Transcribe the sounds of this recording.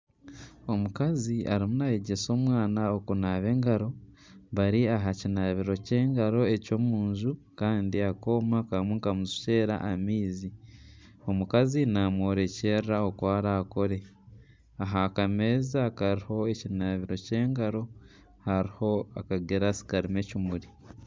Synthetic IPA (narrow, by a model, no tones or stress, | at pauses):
o̞mukaziaɾimunajeɟe̞so̞ːmwaːnaokunaːβe̞ːŋɡaɾo̞ | βaɾiaɦacinaːβiɾo̞ce̞ːŋɡaɾo̞e̞co̞muːɲʒu | kaːndiako̞ːmakamweŋkamuzi̥ce̞ːɾa̰ʔamiːzi | o̞mukazinamwo̞ːɾe̞ce̞ːɾɾaokwaːɾaːko̞ɾe̞ | aɦakame̞ːzakaɾiho̞e̞cinaβiɾo̞ce̞ːŋɡaɾo̞ | haɾiho̞akaɡeɾasi̥kaɾime̞cumuɾi